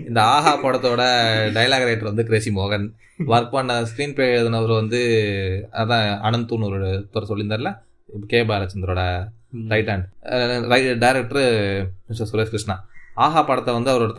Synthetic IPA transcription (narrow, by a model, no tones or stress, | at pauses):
ɪnd̪ɐaːɦaːpɐɽɐt̪ːoːɽɐɖɐjɐlaːɣɾɐɪʈːɐɾʋɐnd̪ɯkɪɾeːsimoːɣɐn | ʋɐɾk̚paɳːɐskɾiːnpeːðɐnɐʋɐɾɯʋɐnd̪ɯ | ɐɐt̪ãːɐnɐnt̪ːuːnɔɾoɽɯt̪ɔɾɐsɔlːɪnd̪aːɾlaː | ɪpːɐkeːbɐɾɐt͡ʃːɐnd̪ɾoːɽɐ | ɾɐɪʈːaːɳɖɾɐɪʈɖɐɪɾɛk̚ʈɐɾmɪsɐsʊɾeːskɾɪʂɳaːaːɦaːpːɐɽɐt̪ːɐʋɐnd̪ɯɐʋɐɾoɽɐt̪ː